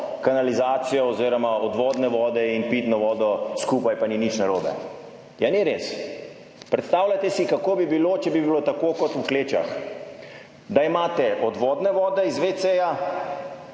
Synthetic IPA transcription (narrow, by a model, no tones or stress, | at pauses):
kanalizaːt̪sijɔɔziːɾɔmaɔd̪ʋɔːd̪nɛʋɔːd̪ɛinpit̪nɔʋɔːd̪ɔskupajpaninit͡ʃnaɾoːbɛ̰ | janɛɾes | pɾɛt̪st̪aːwlʲat̪ɛsikakoːbibiloːt͡ʃɛbibilot̪akokɔt̪ukleːt͡ʃa̰x | d̪aimaːt̪ɛʔɔd̪ʋɔːd̪nɛʋɔːd̪ɛizʋet̪seːja